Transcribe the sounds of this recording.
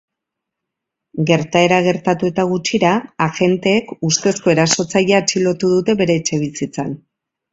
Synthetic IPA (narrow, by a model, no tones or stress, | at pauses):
ɡe̞ɾt̪ae̞ɾaɣ̞e̞ɾt̪at̪ue̞t̪aɣ̞ut͡ʃiɾaːʝe̞nt̪e̞ːkust̪e̞sko̞e̞ɾaso̞t͡saʎeaːt͡ʃilo̞t̪uðut̪e̞βe̞ɾe̞ːt͡ʃe̞β̞isit͡sa̰n